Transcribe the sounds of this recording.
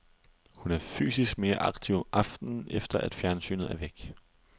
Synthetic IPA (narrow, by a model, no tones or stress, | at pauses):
hunæɐfy̰ːsisɡ̥̚me̝ːɐʔɑ̈ɡ̥t͡sʰiʊʔɑ̈fd̥n̩ʔefd̥ɐʔæd̥fjæɐnsy̰ːnð̩ˠæɐʋeɡ̥